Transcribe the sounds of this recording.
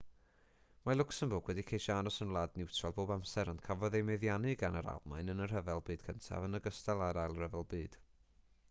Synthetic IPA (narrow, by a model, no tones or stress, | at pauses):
malʊksənboːɡwɛdikʰejʃɔanɔsənlˠadnɪwtʰrɔlˠboːbamsɛɾɔnd̥kʰavɔðejmɛðjanɨɡanəɾa̰lˠmajnənər̥əvɛlˠbɨːd̥̚kʰəntʰa̰vənəɡəstalˠaɾajlˠrəvɛlˠbɨːd̥